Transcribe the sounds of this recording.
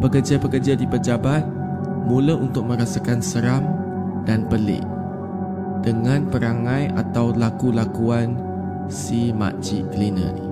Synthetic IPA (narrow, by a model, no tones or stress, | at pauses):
pəkərd͡ʒapəkəd͡ʒadipəd͡ʒabat̪̚ | mũlaʔunt̪ʊk̚mə̃ɾasakansəɾam | danpəlɪ̰ʔ | d̥əŋãnpəɾaŋãja̰t̪awlakulakuan | sima̰ʔt͡ʃikəlinə̰̃ni